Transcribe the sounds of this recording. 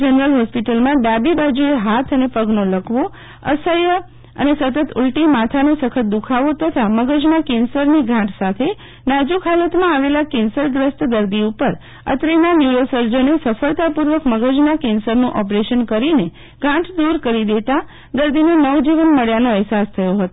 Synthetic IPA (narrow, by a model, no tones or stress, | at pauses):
d͡ʒənəɾəlɦɔspiʈəlmãɖabibad͡ʒueɦat̪ʰənepəɡnoləkʰʋo | ə̰səjə | ə̰nesət̪ət̪ʰṵlʈimat̪ʰanõsəkʰət̪̚d̪ukʰaʋot̪ət̪ʰaməɡəd͡ʒnakensəɾniɡʱãʈʰsat̪ʰe | nad͡ʒukʰɦalət̪mãaʋelakensəɾɡɾəsʈ̪d̪əɾd̪iupəɾ | ə̰t̪ɾenanjuɾosəɾd͡ʒənesəfəɭt̪apuɾʋəkməɡəd͡ʒnakensəɾnũʔɔpɾeʃənkəɾine | ɡʱãʈʰd̪uɾkəɾid̪et̪a | d̪əɾd̪inonəʋd͡ʒiʋənməɭjanõɛɦsast̪ʰəjoɦət̪o